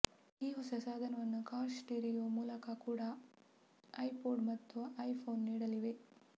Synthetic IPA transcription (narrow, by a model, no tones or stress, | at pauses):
iːɦosɐsaːd̪ʱɐnɐʋɐnːukaːɾsʈiːɾijoːmuːlɐkakuːɽɐ | ɐjpoːɖmɐt̪ːuɐjpʰoːnːiːɽɐliʋe̞